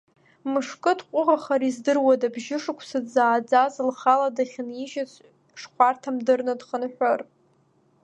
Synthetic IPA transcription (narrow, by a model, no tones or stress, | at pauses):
mɨʂkʼɨdqʷʼʊʁaχaɾizdɨrwadabʒɪʂɨkʷʰsad͡zaːd͡zazlχaladaχʲnjiʒat͡sʷʰʼ | ʂqʷartʰamdɨrnɨdχənħᶣʷor